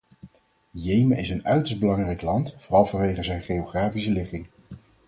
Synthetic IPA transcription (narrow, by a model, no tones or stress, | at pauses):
jejməɪsənœɥtəɹsd̚bəlɑŋrɛjklɑntfʊːrɑlˠvɑnʋejχəzɛjnχejowχraːfisəlɪχɪŋ